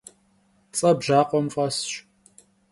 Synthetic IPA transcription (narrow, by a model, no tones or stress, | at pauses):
t͡sʼɐbʒaːqʷɔmfʼɐsɕ